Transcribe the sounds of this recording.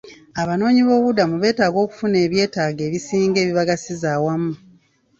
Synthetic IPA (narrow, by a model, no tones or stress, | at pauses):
aβano̞ːɲiβo̞βudamuβe̞ːtaːɡo̞ːku̥fune̞ːβje̞ːtaːɡe̞ːβisiːŋɡe̞ːβiβaɡasizaːwamu